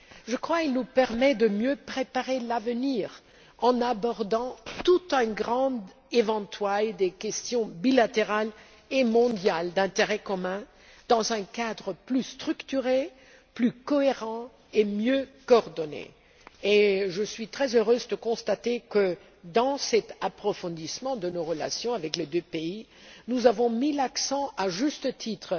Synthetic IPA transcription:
ʒəkχwakilnupɛʁmɛd̪əmjøpχepaʁelavəniʁ | ɑ̃nabɔʁd̪ɑ̃t̪ut̪ɛ̃ɡʁɑ̃d̪ | evɑ̃t̪wajd̪ekʲɛst̪jɔ̃bilat̪eʁal | emɔ̃d̪jald̪ɛ̃t̪eʁɛkɔmɛ̃ | d̪̥ɑ̃zɛ̃kad̪ʁəplyst̪χykt̪yʁe | plykɔeʁɑ̃ | emjøkɔːʁd̪ɔnḛ | eʒəsɥit̪χɛzøʁøzd̪əkɔ̃st̪at̪ekə | d̪ɑ̃sɛt̪apχɔfɔ̃d̪ismɑ̃d̪ənoʁəla̰sjɔ̃avɛkled̪øpei | nuzavɔ̃milaksɑ̃ʔaʒyst̪ət̪ʰit̪χ

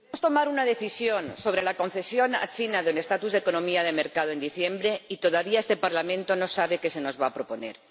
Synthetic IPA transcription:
eost̪o̞maɾunað̞e̞θisjo̞nso̞βɾelako̞nθe̞sjo̞na̰t͡ʃinaðene̞st̪at̪uzðeko̞nõmiaðe̞me̞ɾkað̞oe̞nd̪iθje̞mbɾeit̪o̞ðaβiae̞st̪e̞paɾlamẽnt̪o̞no̞saβ̞e̞ke̞se̞nozβaːpɾo̞po̞ne̞̰ɾ

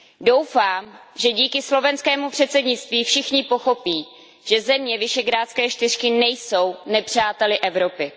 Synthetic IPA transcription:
do̞wfaːmʒɛɟiːkɪslo̞vɛnskɛːmupr̝̥ɛt̪sɛdɲɪtt͡st̪viːfʃɪxɲɪpo̞xo̞piː | ʒ̥ɛzɛmɲɛvɪʃɛɡɾaːt̪t͡skɛːʃt̪ɪr̝kɪnɛjso̞wnɛpr̥aːt̪ɛlɪʔɛvɾo̞pɪ

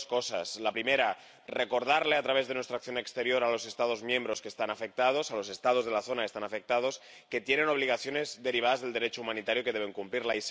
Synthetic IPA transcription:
sko̞sa̰slapɾime̞ɾa | re̞ko̞ɾð̞aɾle̞at̪ɾaβe̞zðe̞nwest̪ɾakθjone̞kst̪eɾjo̞ɾalo̞se̞st̪aðo̞zmjẽ̞mbɾo̞skest̪anafe̞k̚t̪að̞o̞salo̞se̞st̪að̞o̞zð̞e̞laθo̞naest̪anafe̞k̚t̪að̞o̞s | ke̞t̪je̞neno̞β̞liɣaθjo̞nezd̪e̞ɾiβ̞aðazðe̞ld̪eɾe̞t͡ʃoumanit̪aɾjokeðeβ̞e̞ŋkumpliɾlais

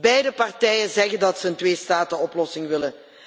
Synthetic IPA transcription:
bɛjdəpɑrtɛjənzɛɣəndɑtsəəntʋeːstaːtəɔplɔsɪŋʋɪlə

